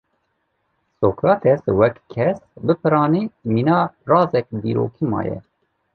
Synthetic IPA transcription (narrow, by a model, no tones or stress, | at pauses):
soːkɾɑːt̪ʰɛswɛkkʰːɛsbɨpʰɨɾɑːniːmiːnɑːrɑːzɛk̚d̪iːɾo̰ːkʰimɑ̰ːjɛ̰